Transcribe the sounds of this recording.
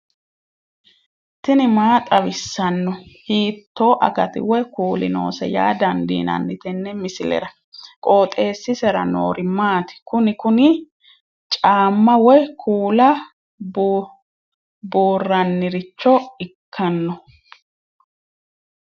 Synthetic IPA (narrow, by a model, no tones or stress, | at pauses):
t̪ɪnɪmaːt̪ʼɐβɪsːɐnːɔhiːt̪ːoːʔɐ̰kɐt̪ɪ̰wɛkuːlɪ̰no̞̰ːsɛ̰ja̰ːd̪ɐnd̪ḭːnɐ̰nːɪt̪ɛnːɛmɪsɪlɛ̰ɾɐ | kʼo̞ːt̪ʼe̞ːsːɪsɛɾɐno̰ːɾɪmaːt̪ɪ̥kʊnɪkʊnɪ | t͡ʃʼaːmːɐwɛkʰuːlɐ | b | boːrːɐnːɪɾɪt͡ʃːɔɪkʰːɐnːɔ